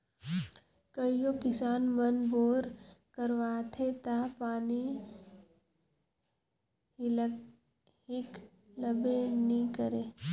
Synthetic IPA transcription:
kəijokɪsaːnmənboːɾkəɾʋaːt̪ʰet̪apaːni | hɪk | ləbenĩkəɾeː

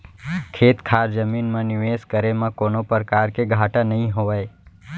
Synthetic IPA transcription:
kʰeːt̪kʰaɾd͡ʒəminmãnɪʋeskəɾemãkonopəɾkaɾkeɡʱaʈanəɦĩɦoʋaj

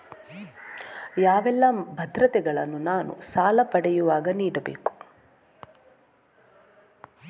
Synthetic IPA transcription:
jaːʋɛlːɐbʱɐd̪ɾɐt̪ɛɡɐɭɐnːunaːnṵsaːlɐpɐɽɛjuʋaːɡɐniːɽɐbḛːku̥

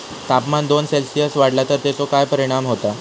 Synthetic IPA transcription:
t̪apmand̪onselsijəsʋaɽlat̪əɾt̪jet͡sokajpəɾiɽ̃amɦot̪a

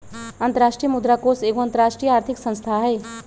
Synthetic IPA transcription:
ɐ̃nt̪əɾaːʃʈɾijəmʊd̪ɾakoːseːkoɐ̃nt̪əɾaːʃʈɾiːjəaːɾt̪ʰɪksə̃nst̪ʰaɦɛː

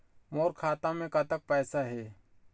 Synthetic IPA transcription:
moːɾkʰaːt̪ãmẽkɐt̪ək̚pɛːsaɦɛː

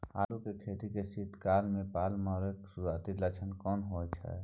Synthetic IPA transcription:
a̰ːlukekʰeːt̪ikesit̪kaːlmẽpaːlmaːɾeksuaːt̪ilət͡ʃʰənkɔːnɦoːt͡ʃʰɛ̰

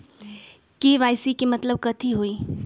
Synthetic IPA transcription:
keʋaːjsikimɐt̪ləb̚kət̪ʰiɦoiː

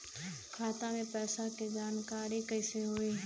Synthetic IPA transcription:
kʰaːt̪amẽpɛːsaked͡ʒaːnkaːɾikəɪseɦʊeɦ

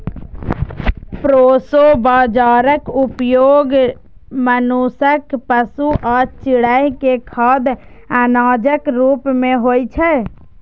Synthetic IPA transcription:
pɾoːsobaːd͡ʒaːɾəkupjoːɡ | mənusəkpəsuʔaːɾt͡ʃɪɽəjkekʰaːd̪ | anaːd͡ʒəkɾuːpmẽɦoːjt͡ʃʰɛ

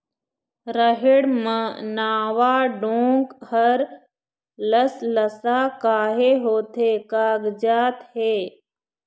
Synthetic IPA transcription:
ɾəɦɪɽmə̃naːʋaːɖõːŋɡhəɾ | ləsləsaːkaːɦeːɦoːt̪ʰeːkaːɡd͡ʒaːt̪heː

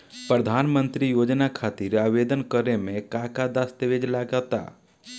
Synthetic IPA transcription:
pɾəd̪ʱaːnmə̃nt̪ɾijoːd͡ʒnakʰaːt̪iɾaːʋed̪ənkəɾemẽkãːkad̪ast̪eʋed͡ʒlaːɡat̪a̰

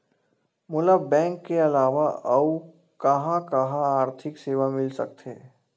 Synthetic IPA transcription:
mʊləbbɛ̃ːŋkːeɐlaːʋaɐu | kɐɦãkɐɦãaːɾt̪ʰɪkseːʋamɪlsɐ̰k̚t̪eː

